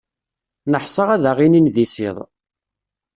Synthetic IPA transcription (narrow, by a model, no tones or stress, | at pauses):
nəħsˤəʁæðæʁininðisḭðˤ